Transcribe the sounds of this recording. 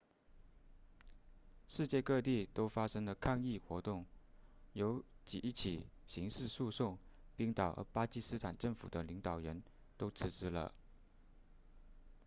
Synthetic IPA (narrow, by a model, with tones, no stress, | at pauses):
ʂɻ̩˥˧t͡ɕjɛ˥˧kɤ˥˧t̪i˥˩t̪o˥ʊfa˥ʂɤ˥ŋlə˨kʰa˥˧ŋi˥˩xwɔ˧˥t̪ʊ˥˩ŋjo˧˥ʊt͡ɕi˨˩ʔi˥˩t͡ɕʰi˨˩ɕi˧˥ŋʂɻ̩˥˧su˥˧sʊ˥˩ŋpi˥ŋt̪ɑ˨˩ʊʔə̰˧˥pa˥t͡ɕi˥sɹ̩˥t̪ʰa˨˩nʈ͡ʂɤ˥˩ŋfṵ˨˩d̪ə˦li˧˥ŋt̪ɑ˨˩ʊɻə˧˥n | t̪o˥ʊt͡sʰɹ̩˥˩ʈ͡ʂɻ̩˥lə̰˧˨